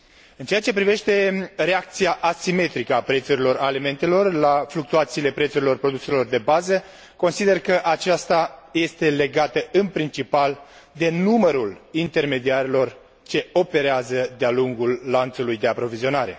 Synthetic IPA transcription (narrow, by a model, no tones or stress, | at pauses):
ɨnt͡ʃeat͡ʃe̞pɾive̞ʃt̪e̞re̞ak̚t̪siaʔasime̞t̪ɾikəapɾet̪suɾilo̞ɾalime̞nt̪e̞lo̞rlafluk̚t̪uat̪siːle̞pɾe̞t̪suɾilo̞rpɾo̞d̪use̞lo̞rd̪e̞bazə | ko̞nsid̪e̞rkəʔat͡ʃast̪aje̞st̪e̞le̞ɡat̪əɨnpɾint͡ʃipal | d̪e̞numəɾulint̪e̞rme̞d̪iaɾilo̞r | t͡ʃe̞o̞pe̞ɾeazəd̪ealuŋɡulːant̪sulujd̪e̞apɾo̞vizio̞naɾe̞̰